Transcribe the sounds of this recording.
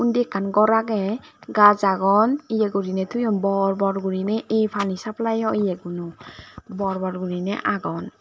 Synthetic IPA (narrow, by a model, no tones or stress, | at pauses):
undɛkʰːanɡɔɾaɡɛɡazaɡɔnijɛɡuɾinɛtʰujɔnbɔɹbɔɾɡuɾinɛʔejpʰanisaplajɔijɛɡunɔbɔɹbɔɾɡuɾinɛ̰ʔaɡɔn